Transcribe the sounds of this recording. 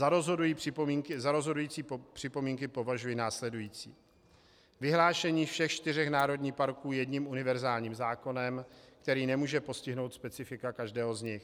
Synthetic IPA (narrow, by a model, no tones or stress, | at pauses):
aɾozɦodujiɪmiŋkɪzaɾo̞zɦo̞dujiːt͡siːpr̥ɪpo̞miːŋkɪpo̞vaʒujɪnaːslɛdujiːt͡sḭː | vɪɦlaːʃɛɲiːfʃɛxt͡ʃt̪ɪrɛxnaːɾo̞dɲiːxpaɾkuːjɛdɲimʔunɪvɛɾzaːlɲiːmzaːko̞nɛmkt̪ɛɾiːnɛmuːʒɛpo̞scɪɦno̞wt̪spɛt͡sɪfɪkakaʒdɛːɦo̞zɲɪx